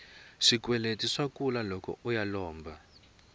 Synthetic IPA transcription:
ʂikwɛletʼiʂakulalɔkʰɔ̰ujalɔːmbʱa

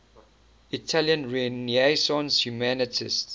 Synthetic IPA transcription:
itʰaljə̃nɹɛniesɔ̃nshjumænɪtʰist

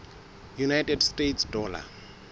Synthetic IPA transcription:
junajtʼɛdstʼetsdɔːla̰

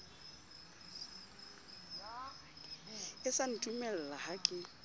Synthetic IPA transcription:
ɪsan̩tʼumɛl̩lahakʼɪ

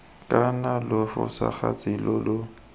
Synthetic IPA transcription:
kʼanalʊfʊ̰saχat͡sʼɪlɔlʊ

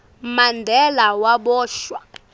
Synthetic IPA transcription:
mandʱɛlawaɓɔːʃwa

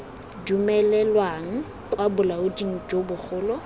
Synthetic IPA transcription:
dumɛlɛlwaŋ̩ | kʼwabʊlaʊdiŋ̩d͡ʒobʊk͡xʊːlɔ

